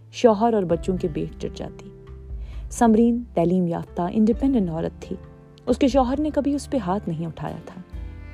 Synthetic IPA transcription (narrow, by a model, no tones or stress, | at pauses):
ʃɔːɦəɾɔːɾbɐtːʃõkebeːʈ̚d͡ʒɐ̰ʈd͡ʒa̰ːt̪iː | sɐmɾiːnt̪ɛːliːmja̰ːft̪aʔɪ̰̃ɳɖɪpɛ̃ːɳɖə̃ɳʈɔːɾə̰t̪ʰːḭː | ʊskeʃ̬ɔːɦəɾnekɐbʱiʊspeɦaːt̪ʰnɐɦĩʊʈʰa̰ːja̰t̪ʰaː